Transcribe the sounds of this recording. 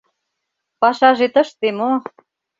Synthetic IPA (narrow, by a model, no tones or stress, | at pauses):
pɑʃɑʒet̪əʃt̪emo